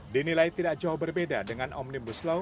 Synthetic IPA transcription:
dinilajt̪idaʔ̚d͡ʒaʊhbərbedadəŋanʔɔ̰mnimbuslo

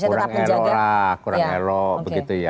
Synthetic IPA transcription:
uɾaŋɛlɔakuɾaŋɛlɔbəɡit̪uja

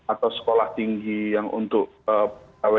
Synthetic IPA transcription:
at̪awsə̥kolaht̪iŋɡijaŋṵnt̪ʊʔ | əawe

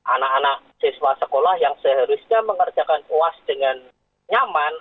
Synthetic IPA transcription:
ʔa̰nakanak̚ | siswasəkolahjaŋsəɦəɾʊsɲaməŋərd͡ʒakanuasdəŋan | ɲaman

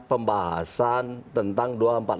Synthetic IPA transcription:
pəmbaɦa̰sant̪ənt̪aŋduaəmpat̪̚

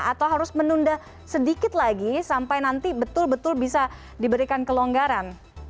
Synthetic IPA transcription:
at̪awɦaɾʊsmənundah | sədikɪt̪̚laɡisampajnant̪ibət̪ʊlbət̪ʊlbisa | dibəɾikankəloŋɡaɾan

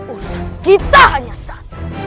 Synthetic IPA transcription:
usaɡ̥it̪ʼaɦaɲasa

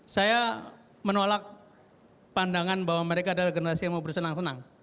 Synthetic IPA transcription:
saja | mənolak̚ | pandaŋanbawaməɾekaːdalahɡənəɾasiaŋmaubərsənaŋsənaŋ

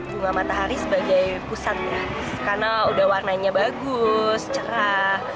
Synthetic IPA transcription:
buŋamat̪aɦaɾisəbaɡajpusat̪̚ɲa | karnaudahwarnaɲabaɡʊst͡ʃəɾa

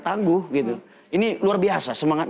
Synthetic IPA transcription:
t̪aŋɡʊhɡit̪u | iniluarbiasasəmaŋat̪̚

